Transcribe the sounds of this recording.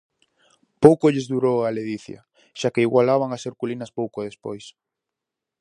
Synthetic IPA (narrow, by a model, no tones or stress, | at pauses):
powkoʎɪzðuɾowaleðiθja̰ | ʃakeiɣwalaβ̞aŋaseɾkulinɐspowkoðespojs